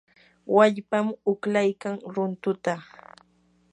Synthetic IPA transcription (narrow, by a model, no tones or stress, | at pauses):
waʎpamʊklajkaŋɾʊnt̪ʊt̪a